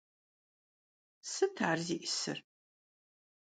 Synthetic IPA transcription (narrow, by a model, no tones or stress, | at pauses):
sɨtʰaːrziʔɪsɨ̰r